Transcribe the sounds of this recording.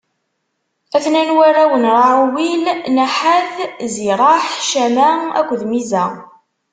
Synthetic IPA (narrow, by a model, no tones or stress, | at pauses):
æθnænwæɾæwənɾˤɑʕuwilnaħaθziɾˤɑħʃæmææ̰kʷːðmizæ